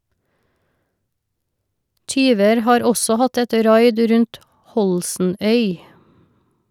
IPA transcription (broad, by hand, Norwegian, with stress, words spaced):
ˈtyːʋəɾ ˈhɑːɾ ˈɔsɔ ˈhɑt ˈɛt ˈɾɑɪd ˈɾʉnt ˈhɔlsn̩ˌœʏ